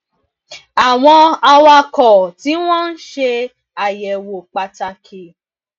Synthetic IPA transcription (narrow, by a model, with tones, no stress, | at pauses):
a˨w̃ɔ̃˧a˧wa˧kɔ˨ti˨˦w̃ɔ̃˦n̩˦ʃe˧ | a˨jɛ˨wo˨k͡pa˨ta˧kʰe˨